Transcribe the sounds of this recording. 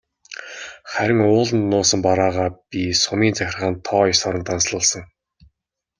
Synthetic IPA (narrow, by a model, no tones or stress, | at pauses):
χæɾʲɪ̆ŋʊːɮ̆nːʊːsə̆mpaɾaːʁaːpisʊmiːnt͡sæxʲɪ̆rʁaːnt̪ʰɔːisɔɾə̆nt̪ʰansɮʊːɮsə̆ŋ